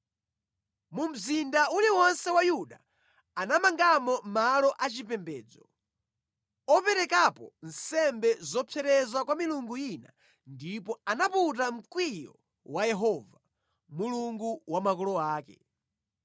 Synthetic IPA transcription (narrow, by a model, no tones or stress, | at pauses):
mum̩zindauliwɔnsɛwajuɗa | anamaŋɡamɔmalɔʔat͡ʃipɛmbɛːd͡zɔ | ɔpɛɾɛkapɔn̩sɛmbɛzɔpʰɛɾɛzwakwamiluŋɡujina̰ | ndipɔanaput̬am̩kwijɔ̰ | wajɛɦɔva | muluŋɡuwamakɔlɔaːkɛ̰